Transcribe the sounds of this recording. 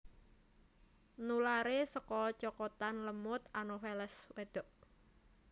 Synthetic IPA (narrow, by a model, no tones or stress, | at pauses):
nulaɾesəkɔt͡ʃɔkɔt̪anləmʊt̪anofɛlɛswed̪̥ɔ̤ʔ